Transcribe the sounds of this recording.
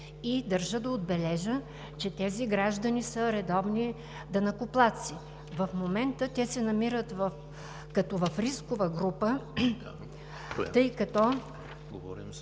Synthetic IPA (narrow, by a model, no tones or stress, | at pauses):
id̪ɐɾʒəd̪ɐod̪̚bɛlɛʒə | t͡ʃɛt̪ɛziɡɾaʒd̪ɐnisəɾɛd̪ɔvni | d̪ɐnɐkʊplˠat̪si | vɐfmomɛnt̪ət̪ʲɛsɛnɐmiɾət̪vəf | kɐt̪ɔvɐfɾiskʊvəɡɾupə | t̪ɤjkɐt̪ɔ | ɡɾ̰